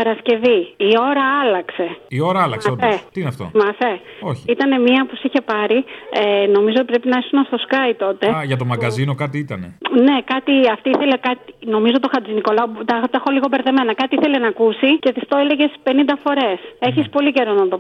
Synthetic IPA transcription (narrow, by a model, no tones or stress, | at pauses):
pɐɾɐsce̞viio̞ɾɐɐlɐkse̞io̞ɾɐɐlɐ̰ksoeineɐft̪o̰mɐfe | oçiit̪ɐne̞miɐpusiçe̞pɐɾieno̞mizot̪ipɾe̞pinɐesunɐst̪o̞skɐjt̪o̞t̪e̞ʝɐt̪o̞mɐɡɐzino̞kɐt̪iit̪ɐnene̞kɐt̪iɐft̪iiθelekɐt̪ino̞mizot̪o̞xɐziniko̞lɐot̪ɐt̪ɐxo̞liɣo̞be̞ɾðe̞me̞nɐkɐt̪iiθe̞lenɐkusice̞ðift̪oele̞ʝe̞spe̞nind̪ɐfo̞ɾe̞se̞çispo̞lice̞ɾo̞nɐt̪o̞